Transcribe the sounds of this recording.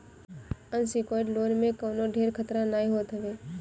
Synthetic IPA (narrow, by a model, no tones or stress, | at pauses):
ənsikoːɪʈloːnmẽkəːnoɖʱeːɾkʰət̪ɾanaːĩɦoːt̪ʰəʋeː